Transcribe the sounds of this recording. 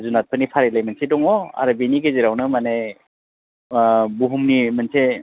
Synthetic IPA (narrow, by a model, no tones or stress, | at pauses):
zunat̚pʰənipʰaɾelajmansedɔŋɔa̰ɾabiniɡeziɾawnɯmane | buɦumnimanse